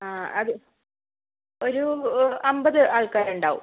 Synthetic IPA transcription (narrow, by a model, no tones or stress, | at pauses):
aːɐðɨ | oɾuɐmbɐðɨʔaːɭkaːɾeɳɖaːʋṵ